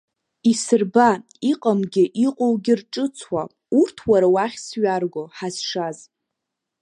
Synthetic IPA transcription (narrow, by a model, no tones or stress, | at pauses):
isɨrba | iqʼəmɡʲɪʔiqʼowɡʲɪrʈ͡ʂʼɨt͡sʰwa | urtʰwaɾawaχʲsɥarɡʷoħazʂaz